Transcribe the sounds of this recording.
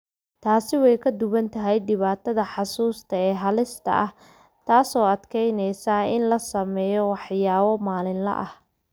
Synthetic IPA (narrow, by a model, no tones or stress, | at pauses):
t̪ʰaːsɪwɛjkʰɐd̪ʊβɐnt̪ʰɐɦɛjɖɪβaːt̪ʰɐðɐħɑsuːst̪ʰɐɛːɦɐlɪst̪ʰɐ̰ʔɐh | t̪ʰaːsɔːɐd̪kʰɛjnɛjsaːɪnlɐsɐmɛːjɔwɑħjaːβɔmaːlɪnlɐ̰ʔɐh